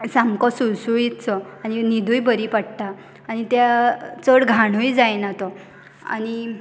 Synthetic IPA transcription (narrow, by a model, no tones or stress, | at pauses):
samkɔsulsujit̪t͡sɔañinid̪ʱuːjbəɾipaɽt̪aː | ñit̪jat͡səɽɡʱaɽ̃ujd͡zajnat̪ɔ | a̰ñi